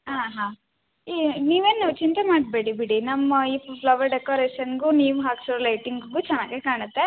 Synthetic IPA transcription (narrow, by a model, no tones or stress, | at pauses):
ɦaːɦãː | iniːʋeːnːɐʋt͡ʃint̪ɐmaːɖ̚beːɽibiɽinɐmːɐiːppʰlɐʋɐɾɖekoːɾeːʃɐnɡuniːʋuɦaːksuɾolɐjʈiŋɡɡut͡ʃɛnːaːɡekaːɳɐt̪ːe